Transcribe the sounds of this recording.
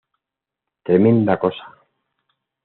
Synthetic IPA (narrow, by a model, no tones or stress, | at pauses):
t̪ɾemẽnd̪akosa